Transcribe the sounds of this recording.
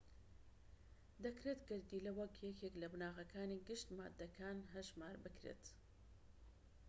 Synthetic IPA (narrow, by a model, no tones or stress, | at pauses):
d̪ɐkɾeːt̪ɡɨɾd̪ilɐwɐkjɛkʰeklɐbɨnaːɣɐkʰaːniɡɨʃt̪ma̰ːd̪ːɐkʰaːnɦɐʒmaːɾbɨkɾḛːt̪